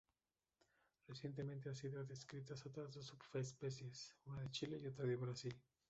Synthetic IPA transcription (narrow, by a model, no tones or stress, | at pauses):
r̥esje̞nt̪ement̪easiðoðeskɾit̪asat̪ozðosupfeespesjesunaðet͡ʃileiot̪ɾaðeβɾasil